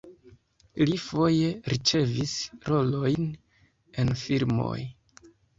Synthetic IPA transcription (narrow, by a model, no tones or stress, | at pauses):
lifo̞je̞ɾit͡ʃe̞visɾo̞lo̞jn | e̞nfiɾmo̞̰j